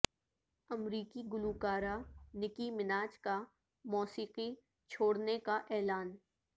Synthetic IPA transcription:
ɐmɾiːkiɡʊluːkaːɾanɪkimɪnaːt͡ʃka | mɔːsiːqi | t͡ʃʰoːɽnekaʔɛːlaːn

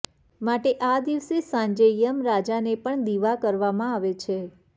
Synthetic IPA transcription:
maʈeʔad̪iʋsesãɲd͡ʒejəmɾad͡ʒanepəɳd̪iʋakəɾʋamãaʋet͡ʃʰe

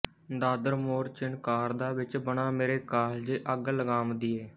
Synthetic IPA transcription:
d̪aːd̪əɾmoːɾt͡ʃɪnkaːɾd̪aːʋɪt͡ʃbəɳaːmeːɾeːkaːld͡ʒeːʔəɡləɡaːmd̪iːɛː

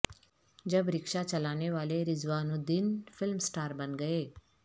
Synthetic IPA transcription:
d͡ʒɐbɾɪkʃat͡ʃɐlaːneʋaːleɾɪzʋaːnũd̪ɪnfʰɪlmsʈaːɾbɐnɡəeː

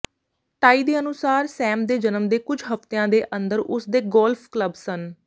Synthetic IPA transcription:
ʈaːiːd̪eːənʊsaːɾsɛ̃ːmd̪eːd͡ʒənəmd̪eːkʊd͡ʒɦəft̪eãːd̪eːʔənd̪əɾʔʊsd̪eːɡɔːlfʰkləbsən

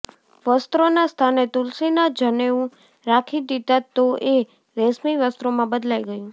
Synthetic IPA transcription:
ʋəst̪ɾonast̪ʰanet̪ulsinad͡ʒəneũ | ɾakʰid̪it̪at̪ːoʔe | ɾɛsmiʋəst̪ɾomãbəd̪laiɡəjũ

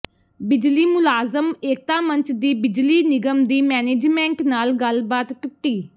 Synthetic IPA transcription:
bɪd͡ʒliːmʊlaːzəmeːk̚t̪ãːmə̃ɲt͡ʃʰd̪iːbɪd͡ʒliːnɪɡəmd̪iːmɛːneːd͡ʒmɛ̃ːɳʈnaːlɡəlbaːt̪ʈʊʈːiː

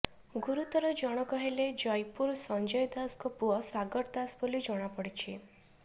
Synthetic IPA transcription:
ɡuɾut̪ɔɾɔd͡ʒɔɽ̃ɔkɔɦeled͡ʒɔjpuɾsɔnd͡ʒɔjd̪askɔpuɔsaɡɔɾd̪asbolid͡ʒɔɽ̃apɔɽit͡ʃʰi

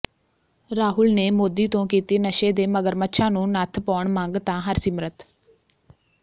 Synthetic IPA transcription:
ɾaːɦʊlneːmoːd̪iːt̪õːkiːt̪iːnəʃeːd̪eːməɡəɾmətːʃʰãːnũːnət̪ʰpɔːɳmãŋɡt̪ãːɦəɾsɪmɾət̪

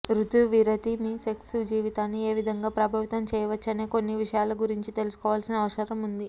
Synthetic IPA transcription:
ɾut̪uʋiɾɐt̪imiːse̞ksud͡ʒiːʋit̪aːnːie̞ːʋid̪ʱɐŋɡaːpɾɐbʱɐʋit̪ɐmt͡ʃɛːjɐʋɐt͡ʃːɐneːko̞nːiʋiʂɐjaːlɐɡuɾiɲt͡ʃit̪e̞lusu̥kɔːʋaːlsinɐɐʋɐʃɐɾɐmund̪i

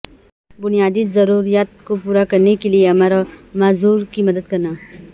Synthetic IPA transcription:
bʊnijaːd̪izɐɾuːɾijaːt̪̚kopuːɾakɐɾnekelieɐmaːɾamaːzuːɾkimɐd̪əd̪kɐɾnaː

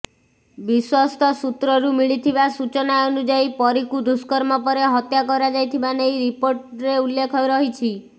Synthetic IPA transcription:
biswast̪ʰɔsut̪ɾɔɾumiɭit̪ʰibasut͡ʃɔnaɔnud͡ʒajpɔɾikud̪uskɔɾmɔpɔɾeɦɔt̪jakɔɾad͡ʒajt̪ʰibanejɾipoɾʈɾeulːekʰɔjɾɔɦit͡ʃʰi

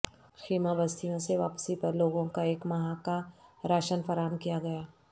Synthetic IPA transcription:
xiːmabɐst̪ʰijõseʋaːpsip̪ɐɾloːɡõkaeːkmɐɦakaɾaːʃənfɐɾaːəmkijaɡɐjaː

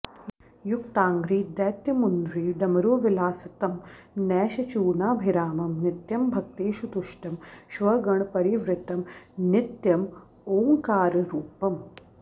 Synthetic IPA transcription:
juk̚t̪aːŋɡɾiːd̪ɛːt̪jɐmund̪ɾiːɖɐmɐɾoːʋilaːsɐt̪ɐmnɛːʃɐt͡ʃuːɳaːbʱiɾaːmɐmnɪt̪jɐmbʱɐk̚t̪eːʃut̪uʃʈɐmʃʋɐɡɐɳpɐɾiʋɾɪt̪ɐmnɪt̪jɐm | oːŋkaːɾɐɾuːpɐm

